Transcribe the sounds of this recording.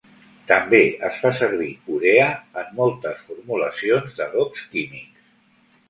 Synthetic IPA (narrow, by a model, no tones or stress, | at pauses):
t̪əmbeəsfasəɾβ̞iuɾeəəmːɔlˠt̪əsfuɾmuləsionzðəɣɔkskimiks